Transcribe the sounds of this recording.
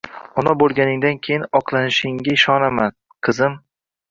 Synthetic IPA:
ɒnɒbolˠɡʲanɪŋd̪ankʲʰejɪnɒqʰlˠanɪʃɪŋɡʲaɪʃɒnaman | qʰɨzɪm

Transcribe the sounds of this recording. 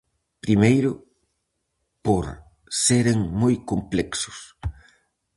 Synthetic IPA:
pɾimejɾʊ | poɾ | seɾeŋmojkomplɛksʊ̥s

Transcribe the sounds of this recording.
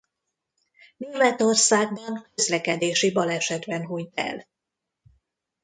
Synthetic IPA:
nirvɛt̪o̞rsaːɡ̚bɒnkøzlɛkɛd̪eːʃibɒlɛʃɛd̪bɛnɦujt̪ɛ̰l

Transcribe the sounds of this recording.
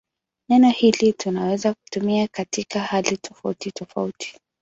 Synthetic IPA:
nɛnɔhilitunawɛzaku̥tumiakatikahalitʰɔfautitɔfa̰utʰi̥

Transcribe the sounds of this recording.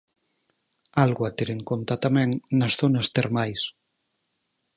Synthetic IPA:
alɣwat̪eɾeŋkont̪at̪amɛŋnasθonast̪eɾmajs

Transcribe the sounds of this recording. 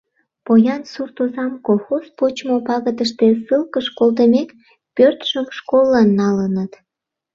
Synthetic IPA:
pojɑnsurt̪ozɑmkolˠxospot͡ɕmopɑɣəd̪əʃt̪esɨlkəʃkolt̪əmek | pørt̪ʃəmʃkolːɑnːɑlənət̪

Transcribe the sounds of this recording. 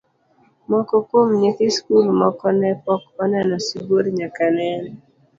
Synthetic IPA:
mɔkɔkomɲikiskulmɔkɔnɛpɔkɔnɛnɔsiɡoɾɲakanɛnɔ

